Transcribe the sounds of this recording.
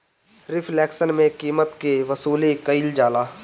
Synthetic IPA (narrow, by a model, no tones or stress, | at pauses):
ɾɪfʰlɛːksənmẽkiːmət̪keʋɐsuːlikəild͡ʒaːlaː